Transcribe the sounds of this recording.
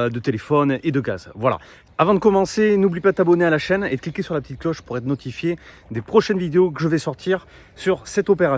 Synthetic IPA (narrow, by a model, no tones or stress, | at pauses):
d̪ət̪elefɔned̪əɡa̰zvwala̰ | avɑ̃d̪əkɔmɑ̃senublipad̪ət̪abɔnealaʃɛnḛd̪ə̥klikʲesyʁlapə̥t̪it̪̚klɔʃpuʁɛt̪nɔt̪ʰifje | d̪epχɔʃɛnvid̪eok̬əʒəvɛsɔʁt̪ʰiʁ | syʁsɛt̪ɔpeʁa